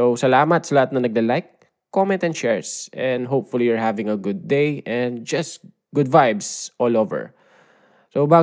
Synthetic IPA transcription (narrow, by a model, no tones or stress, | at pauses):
sowsɐlaːmɐt̪sɐlɐhat̪̚nɐnɐɡ̚lɛlajk̚ː | omɛ̃nt̪ɛ̃nt͡ʃɛɹsʔɛ̃nd̪ɦowpfʊlijʊɹɦavɪ̃ŋɐɡʊd̪̚ːejʔɛ̃nd̪̚d͡ʒɐst̪ | ɡ̥ʊd̪vajbsʔɔːlovɛ̰ɹ | sowbaː